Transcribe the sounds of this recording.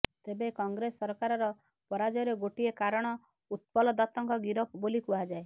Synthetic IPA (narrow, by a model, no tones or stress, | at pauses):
t̪ebekɔŋɡɾesːɔɾkaɾɔɾɔ | pɔɾad͡ʒɔɾeɡoʈiekaɾɔɽ̃ɔ | ut̪̚pɔlɔd̪ɔt̪ɔŋkɔɡiɾɔpbolikuad͡ʒae